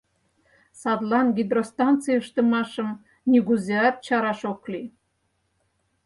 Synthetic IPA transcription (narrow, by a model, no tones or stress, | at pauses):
sɑd̪lˠɑnɡʲid̪ɾost̪ɑnt̪t͡sɨjəʃt̪ə̆mɑʃɤ̆m | nʲiɡuzeɑt̪̚t͡ɕɑɾɑʃokli